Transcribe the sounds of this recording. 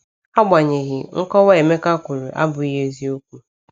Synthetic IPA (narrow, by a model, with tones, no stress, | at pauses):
a˦ɡ͡ba˨ɲe˨ɣɪ˨ŋ̩˦kɔ˦wa˦e˨me˦ka˦kʷu˨ɾʊ˨ʔa̰˦bʊ˨i˦ɦe˦zi˦o˦kʷu˦